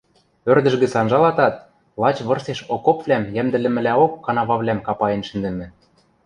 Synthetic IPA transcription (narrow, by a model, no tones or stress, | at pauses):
ørd̪ɘ̆ʃɡɘ̆t͡sɑnʒɑlɑt̪ɑt̪̚ | lˠɑt͡ɕβɤ̆rseʃokopvlʲæmjæmd̪ɘ̆lɘ̆mɘ̆læokːɑnɑβɑβlæmkɑpɑjenʃɘ̆nd̪ɘ̆mɘ̆